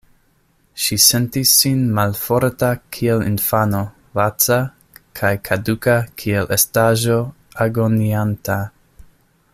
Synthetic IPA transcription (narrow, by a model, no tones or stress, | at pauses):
ʃisentisːinmalfo̞ɾtakʰielḭnfano̞ | vat͡sa | kʰajkʰadukakʰielʔestaʒo̞ | aɡonianta